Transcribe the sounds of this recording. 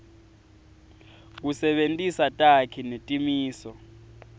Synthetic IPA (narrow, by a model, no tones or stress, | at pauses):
k̬usɛɓentʼisatʼakʰinetʼimiːsɔ